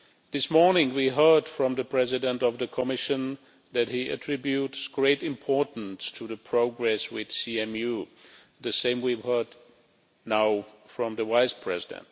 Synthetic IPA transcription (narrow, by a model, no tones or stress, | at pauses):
ðɪsmɔɹnɪ̃ŋwiɦɜ˞d̥fɹʌ̃mðɨpʰɹ̥ɛzɪdə̃ntʌvðəkʰəmɪʃɨ̃n | ðɨt̚hiʔɨ̰tʰɹ̥ɪbjutsɡ̥ɹeɪɾɪ̃mpʰɔɹʔn̩stʰɨðəpʰɹ̥oʊɡɹɛswɪð̥siɛ̃mju | ðɨsẽɪ̃mwivhɜ˞d | naʊfɹʌ̃mðəwaɪspʰɹ̥ɛzɪdɨ̰̃nt